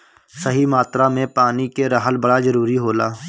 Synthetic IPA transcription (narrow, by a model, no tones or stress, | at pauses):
səɦimaːt̪ɾaːmẽpaːnikeɾəɦəlbəɽaːzəɾuːɾiɦoːlaː